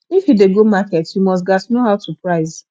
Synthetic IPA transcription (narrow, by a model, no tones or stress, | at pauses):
ifideɡomakɛtjumɔstɡatnoɦaʊsupɾaɪz